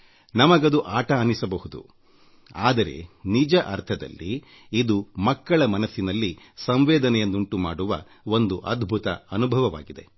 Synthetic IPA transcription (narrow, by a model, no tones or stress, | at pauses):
nɐmɐɡɐd̪uʔaːʈɐːnisɐbɐhud̪ṵ | aːd̪ɐɾe̞̰nid͡ʒɐʔɐɾt̪ʰɐd̪ɐ̰lːi | id̪umɐkːɐɭɐmɐnɐsinɐlːi | sɐmʋɛːd̪ɐnɛjɐnːuɳʈumaːɽuʋɐ̰ | o̞nd̪uʔɐd̪ʱbʱut̪ɐ̰ɐnubʱɐʋɐʋa̰ːɡid̪e̞̰